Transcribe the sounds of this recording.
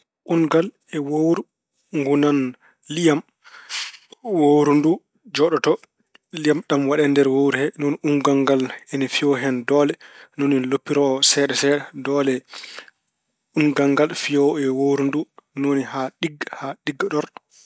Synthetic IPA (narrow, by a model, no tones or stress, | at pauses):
ʔunɡal | ɛwowɾu | ŋɡunan | lijam | woɾundu | d͡ʒɔɗɔtɔ | lijamɗamwaɗɛndɛɾwowɾhɛnonuŋɡaŋɡalɛnɛfijɔɦɛndɔlɛnoninlopːiɾɔsɛɗɛsɛɗɛdɔːlɛ | unɡaŋɡalfijɔwɛwowɾundunonihaɗiɡhaɗiɡːaɗɔɾ